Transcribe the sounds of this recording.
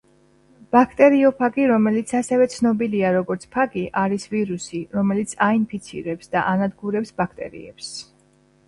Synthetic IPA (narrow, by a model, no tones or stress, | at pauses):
b̥akʰt̪ʼɛɾiɔpʰaɡiɾɔmɛlit̪sʰasɛvɛt̪sʰnɔbiliaɾɔɡɔɾt̪sʰpʰaɡiʔaɾisviɾusiɾɔmɛlit̪sʰainpʰit̪sʰḭɾɛpsd̪aʔanad̪ɡuɾɛpsbakʰt̪ʼɛ̰ɾḭɛps